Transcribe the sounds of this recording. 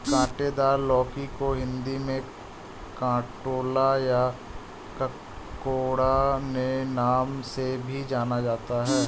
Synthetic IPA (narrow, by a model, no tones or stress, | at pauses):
kãːʈed̪aːɾlɔːkikoɦɪ̃nd̪imẽ | kãːʈoːlaja | kɐ | koːɽanenaːmsebʱid͡ʒaːnad͡ʒaːt̪aɦɛː